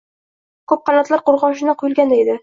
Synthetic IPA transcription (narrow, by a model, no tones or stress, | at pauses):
kʰɵp̚qʰɑnɒt̪lˠaɾqʊɾʁɒʃ̬ɪnɪqʰʊjʊlˠɡʲand̪aed̪ɪ